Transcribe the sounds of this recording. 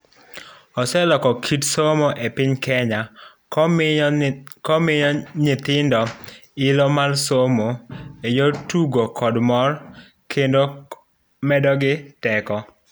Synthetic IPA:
ɔsɛlɔkɔkʰitsomoʔepɪɲkɛɲa | kɔmɪɲɔɲɪt̪ɪndɔɪlɔmalsomoejotuɡokɔdmɔr | kʰendo | mɛdɔɡɪtɛkɔ

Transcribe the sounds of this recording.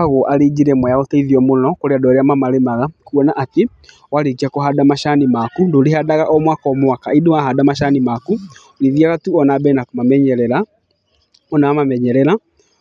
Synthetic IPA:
aɣoʔaɾid͡ʒiɾɛmwɛjaotaiðiɔmonɔkoɾeadɔɾeamamaɾemaɣakuɔnaʔːte | waɾekiakɔɦadamaʃanimakundoːɾehadaɣaʔɔmwakaɔmwakaidoaɦadamaʃanimaku | ɾiðiaɣatuɔnabɛnakomamɛɲɛɾɛɾa | mɔnawamamɛɲɛɾɛɾa

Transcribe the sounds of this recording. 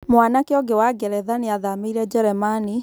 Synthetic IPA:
mwanakeɔɡɛwaɡɛɾɛðaneaðameiɾɛd͡ʒɛɾɛmani

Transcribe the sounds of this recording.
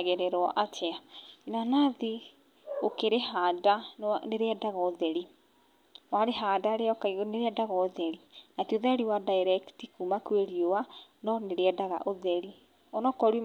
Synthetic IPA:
ɣɛɾɛɾɔʔatʰɛainanaði | okeɾeɦaːdaneɾeɛdaɣaoðɛɾi | waɾeɦaːdaɾeɔkaneɾeɛdaɣaoðɛɾinatioðaɾiwadaeɾɛktikumakweɾiowanɔneɾeɛdaɣa̰ʔoðɛɾi | ɔnɔkɔɾu

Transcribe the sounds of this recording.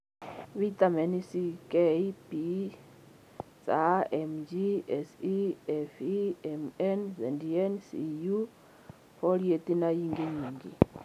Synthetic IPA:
βit̪ʼamɛnisikʼeipi | saɛmd͡ʒiɛsiɛfiɛmɛnzɛndiɛnsḭju | fɔliet̪ʼinajiŋɡeɲiːŋɡi

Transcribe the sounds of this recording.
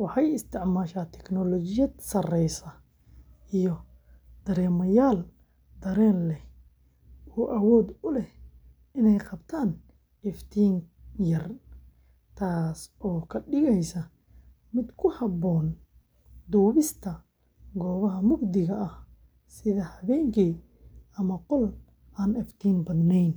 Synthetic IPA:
wɑħɑjɪst̪ʰɪʕmaːʃaːt̪ʰɛknɔlɔt͡ʃɪjɐd̪sɐrɛjsɐ | ijɔ | d̪̥ɐɾɛːmɐjaːl | d̪ɐɾɛːnlɛ | ɔːʔɐwɔːd̪ʊlɛh | ɪnɛjqɑbt̪ʰaːn | ʔɪft̪ʰiːŋjɐr | t̪ʰaːsɔːkʰɐɖɪɣɛjsɐ | mɪd̪kʰʊhɐbɔːn | d̪uːβɪst̪ʰɐ | ɡɔːβɐɦɐmʊɡd̪ɪɣɐɐh | sɪðɐhɐβɛːŋkʰiː | ɐmɐqɔl | ʔaːnɪft̪ʰiːnbɐd̪nɛjn

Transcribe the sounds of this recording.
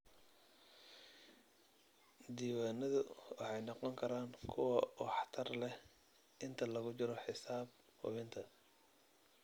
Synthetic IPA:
d̪iːwaːnɐðʊwɑħɑjnɑqɔŋkʰɐɾaːŋkʰʊwɐɔħɑ̥t̪ʰɐrlɛh | ʔɪnt̪ʰɐlɐɣʊt͡ʃɪɾɔħɪsaːb̚ | hʊ̰βɪnt̪ʰɐ

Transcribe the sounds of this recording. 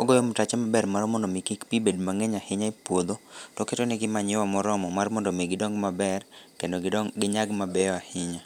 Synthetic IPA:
oɡojomʊtat͡ʃɛmabɛrmaɾmɔndomikikpibedmaŋɛɲahɪɲaipwod̪otɔketonɪɡɪmaɲɪwamɔɾɔmɔmarmɔndomeɡɪdɔŋɡmabɛrkendoɡɪɲaɡmabɛjɔahɪɲa

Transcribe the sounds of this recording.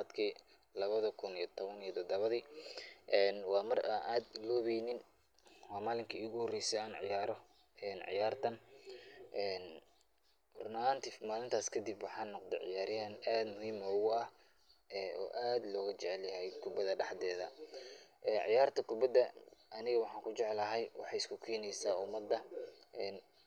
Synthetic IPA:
d̪kʰiː | lɐβɐðɐkʰʊnijɔt̪ʰɔβɐnijɔt̪ʰɔd̪ɐβɐðiːʔɛːnwɑːmɐraːnʔaːd̪lɔːβɛjnɪn | wɑːmaːlɪŋkʰɐiːɣʊhɔrɛjsɛaːnʕɪ̰jaːɾɔ | ɛːnʕɪ̰jaːrt̪ʰɐn | ʔɛːn | rnaːnt̪ʰɪfmaːlɪnt̪ʰaːskʰɐd̪ɪbwɑħɑːnːɔqd̪ɛ̰ʕɪ̰jaːɾjɪhɐnaːd̪mʊhiːmɔːɣʊɐh | ɛɔ̰ːʔaːd̪lɔːɣɐt͡ʃɛʕɛljɐɦɛjkʰʊbɐðɐɖɑħd̪ɛːðɐ̰ | ʔɛːnʕɪ̰jaːrt̪ʰɐkʰʊbɐd̪ːɐɐnɪɣɐwɑħɑːŋkʰʊt͡ʃɛʕɛlɐɦɛjwʔɑ̰ħɑːjɪskʰʊkʰɛːnɛjsaːʊmɐd̪ːɐʔɛːn

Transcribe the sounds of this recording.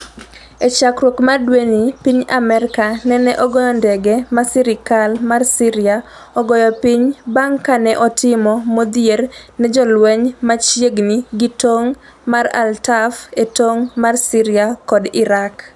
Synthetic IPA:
ɛt͡ʃakɾwokmadwenipiɲamɛɾɪkanɛnɛʔɔɡɔjɔndɛɡɛmasɪɾɪkalmarsiɾɪa | ɔɡɔjɔpiɲbaŋkanɛʔɔtɪmɔmod̪jernɛd͡ʒɔlwɛɲmat͡ʃjeɡniɡitoŋ | mara̰ltafetoŋmarsiɾɪakɔdɪɾak

